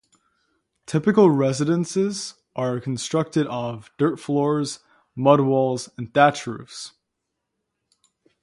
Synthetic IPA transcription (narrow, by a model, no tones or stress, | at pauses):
tʰɪpɨkl̩ˠɹɛzɨɾə̃nsɪz | ʔə˞kʰn̩stɹ̥ʌk̚tɨɾəvdɜ˞tflɔɹz | mʌd̚wɔlˠzə̃ndæt͡ʃɹʉ̰fs